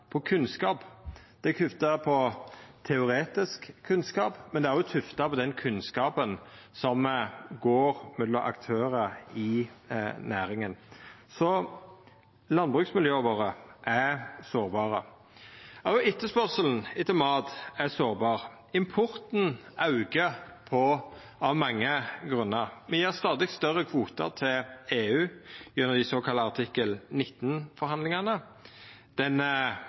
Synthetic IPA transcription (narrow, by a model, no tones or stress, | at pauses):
pʰɔkʰʉnskɑːpd̪̥ɛkʰʉft̪ɑpʰɔt̪ʰɛʊɾʁeːt̪ɪskʰːʉnskɑːpmɛnd̪ɛæɾjʊt̪ʰʉft̪ɑpʰɔd̪ɛnkʰʉnskɑːpənsɔmɡoːɾmɛd̪ɔʔɑ̰kt̪ʰøːʁəɪ | næːɾɪŋənsɔ | lɑnbʁʉːksmɪljøːʋoːʁəʔæsoːʁbɑːʁə | ɑɪt̪ːəspœʁsəln̩ɪt̪əmɑːt̪æsoːʁbɑːʁ | ɪmpʰʊʁt̪n̩ɑʉɡəpʰɔ | ɑʋmɑŋːəɡʁʉnːəʁmɛjiːʁst̪ɑːd̪ɪkst̪œʁəkʰʋuːt̪ə̰ʁt̪ʰɪleːʉːjʉnːəd̪ɪsoːkʰɑlːəɑʁt̪ʰɪkːəlnɪt̪ːn̩fɔɾhɑnd̪lɪŋənə | d̪̥ɛnə